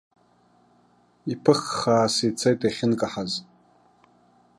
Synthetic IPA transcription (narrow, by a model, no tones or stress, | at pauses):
ipʰɨχːaːsit͡sʰajtʼaχʲɪnkʼaħaz